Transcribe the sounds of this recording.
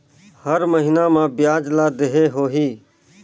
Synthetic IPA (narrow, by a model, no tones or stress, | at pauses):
həɾməɦɪnamãːbɪjaːd͡ʒlaːd̪eɦeɦoːɦiː